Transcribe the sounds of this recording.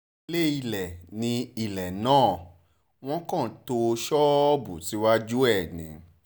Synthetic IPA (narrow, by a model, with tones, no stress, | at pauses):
le˦i˧˨lɛ˨nĩ˧i˦˨lɛ˨nãː˦˨ | w̃ɔ̃˦kã˦˨to˧ʃɔ˦ɔ˦bu˨ti˨˦wa˦d͡ʒu˦ɛ˦˨nĩ˨˦